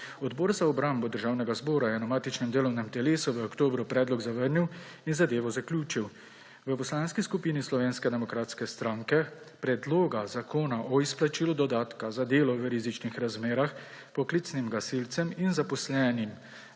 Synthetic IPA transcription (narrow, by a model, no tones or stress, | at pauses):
ɔd̪bɔːɾzaɔbɾambɔd̪əɾʒaːwnɛɡazbɔːɾajɛnamaːt̪it͡ʃnɛmd̪eːlɔwnɛmt̪ɛleːsuʋəɔkt̪oːbɾupɾɛːd̪lɔɡzaʋəɾniw | inzad̪eːʋɔzaklʲjuːt͡ʃiw | ʋəpɔslaːnskiskupiːnislɔʋeːnskɛd̪ɛmɔkɾaːt̪skɛst̪ɾaːŋkɛ | pɾɛd̪loːɡazakʰoːnaʔɔisplat͡ʃiːlɔd̪ɔd̪aːt̪kazad̪eːlɔʋəɾizit͡ʃnixɾazmeːɾax | pɔklit̪snimɡasilt̪sɛminzapɔslɛːnim